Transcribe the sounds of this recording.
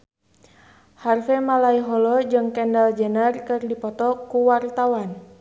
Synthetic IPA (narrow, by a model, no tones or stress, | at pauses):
harfɛmalaiɦɔlɔd͡ʒɨŋkɛndald͡ʒənərkɨrdipɔt̪ɔkuwart̪awan